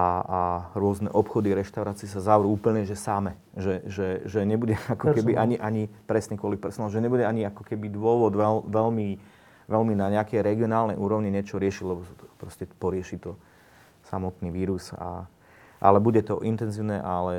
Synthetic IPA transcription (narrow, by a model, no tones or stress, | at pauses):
aaɾʊɔznɛ̰ʔɔpxɔd̪iɾɛʃt̪aʊɾaːt͡siːsazaʊɾuuːpl̩ɲɛʒɛsamɛ | ʒɛʒɛʒɛɲɛbuɟɛakɔkɛbiʔaɲiʔaɲipɾɛsɲɛkwʊɔlipɛɾsɔnalʒɛɲɛbuɟɛaɲiakɔkɛbid̪ʋʊɔʋɔd̪ʋɛlʋɛlmi | ʋɛlminaɲɛakɛjɾɛɡiɔnaːlnɛjʔuːɾɔʊɲiɲɛt͡ʃɔɾɪɛʃilɛbɔpɾɔscɛpɔɾɪɛʃit̪ɔ | sa̰mɔt̪niːʋiːɾusa̰ | ʔa̰lɛbuɟɛt̪ɔʔint̪ɛnziːʊnɛʔalɛ